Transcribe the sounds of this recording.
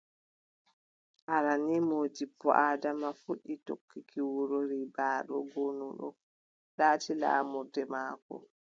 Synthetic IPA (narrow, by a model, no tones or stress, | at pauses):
ʔaɾanimoːd͡ʒipːɔ̰ʔaːdamafuɗːitokːikiwuɾoɾibaːɗɔ̰ɡonuɗɔ̰ | ɗaːtila̰ːmuɾdɛmaːkɔ̰